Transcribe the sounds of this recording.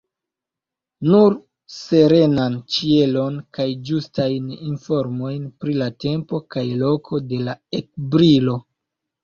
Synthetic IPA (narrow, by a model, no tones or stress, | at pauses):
nuɾ | se̞ɾe̞nant͡ʃie̞lo̞nkajd͡ʒustajninfo̞ɾmo̞jnpɾilate̞mpo̞kajlo̞kʰo̞de̞laek̚bɾilo̞